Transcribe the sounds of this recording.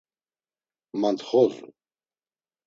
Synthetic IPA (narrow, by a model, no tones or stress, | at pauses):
mant̪χɔzṵ